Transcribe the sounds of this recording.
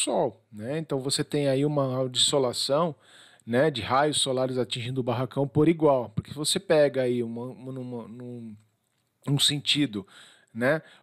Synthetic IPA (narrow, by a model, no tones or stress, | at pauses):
sɔwnɛẽnt̪ɐ̃w̃voset̪ẽj̃aiũmɐd͡ʒizolasɐ̃w̃ | nɛd͡ʒɪhajʊsolaɾɪzat͡ʃĩʒĩnd̪ʊbaɦakɐ̃w̃poɾiɡwawpoɾkevosepɛɡɐaiũmɐ̃nũmɐnũ | ũsẽnt͡ʃid̪ʊ | nɛ